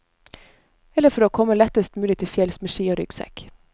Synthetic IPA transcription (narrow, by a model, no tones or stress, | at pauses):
ɛlːəfɔɾoːkʰɔməlɛt̪əst̪mʉːlɪt̪ʰɪfjɛlsməʂiːoːɾʏ̰ɡsɛ̰k